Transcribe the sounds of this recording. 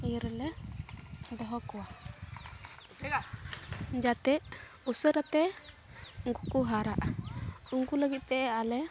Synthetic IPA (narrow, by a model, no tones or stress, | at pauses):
ɾlɛ | d̪ɔɦɔkɔwa | d͡ʒat̪ɛʔ | usəɾat̪ɛ | ŋɡukuɦaɾaʔuŋɡuləɡit̪̚t̪ɛʔɛalɛ